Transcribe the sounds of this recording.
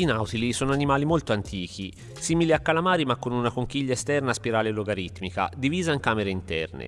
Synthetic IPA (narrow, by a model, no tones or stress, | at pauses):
inawt̪ilisoːnoanimaːlimolt̪oant̪iːk̟i | siːmiliakːalamaːɾimakːonunakoŋk̟iʎːaest̪ɛrnaspiɾaːleloɡaɾit̪mika̰d̪iviːzaiŋkaːmeɾeint̪ɛ̰rnḛ